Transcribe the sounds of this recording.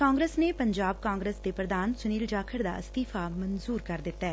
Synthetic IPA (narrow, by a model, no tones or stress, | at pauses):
kaːŋɡɾeːsnepəɲd͡ʒaːb̚kãːŋɡɾəsd̪epɾəd̪aːnsʊniːld͡ʒaːkʰəɾd̪a̰ːst̪iːfʰamənzuːɾkəɾd̪ɪt̪ːaɛː